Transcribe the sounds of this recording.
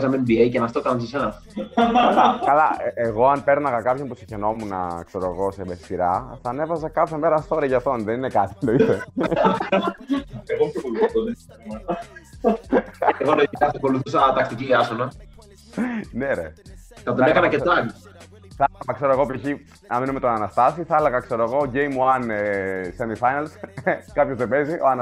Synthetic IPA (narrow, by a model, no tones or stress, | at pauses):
sɐmembiejcenɐst̪ok̪ɐnɐnsisɐɐ | kɐlɐeɣo̞ɐnpe̞ɾnɐɣɐkɐpçompusi̥çeno̞munɐ̰kseɾoeɣo̞seme̥siɾɐθɐːne̞vɐzɐkɐθeme̞ɾɐst̪oɾeʝɐft̪onðeninekɐt̪i̥t̪oiðe | eɣopokoluθt̪oðe | mɐt̪ | eɣoloikɐsoko̞luθusɐt̪ɐkt̪iciɐsonɐ | neɾḛθɐt̪onekɐnɐceɐk | θlɣɐkse̞ɾoeɣopiçi | nɐmenome̞t̪onɐnɐst̪ɐsiθɐelɐɣɐkse̞ɾoeɣo̞ʝejmuɐnesemifɐjnɐlskɐpçozðebe̞ziʔoɐn